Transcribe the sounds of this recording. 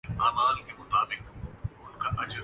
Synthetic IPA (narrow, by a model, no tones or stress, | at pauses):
aːmaːlkʰemʊt̪aːbɪkʊnkʰãːʔɐd͡ʑ